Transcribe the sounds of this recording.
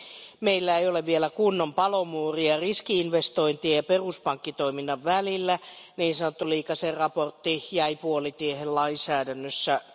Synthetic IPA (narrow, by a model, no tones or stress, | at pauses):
meilːæejoleʋʋielækunːompɑlomuːriɑriskiinʋest̪oint̪iɑjɑperuspɑŋkːit̪oiminːɑʋʋælilːæniːnsɑnot̪ːuliːkɑserɑport̪ːijæipuolit̪iehellɑinsæːdænːøsːæ